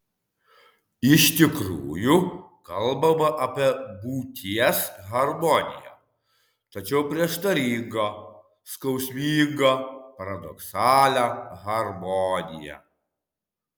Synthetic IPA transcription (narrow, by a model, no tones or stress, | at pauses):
ɪʃt̪ʲɪkɾuːjʊkɐlˠbɐmɐʔɐpʲiɛbuːt̪ʲiɛsɣɐɾmɔnʲɪ̰jæ̰ | t̪ɐt͡ʃʲɛʊpʲɾʲiɛʃt̪ɐɾʲɪŋɡo | skɐʊsʲmʲiːŋɡɐpɐɾɐd̪ɔ̰ksɑːlʲæɣɐɾmɔːnʲɪ̰jæ̰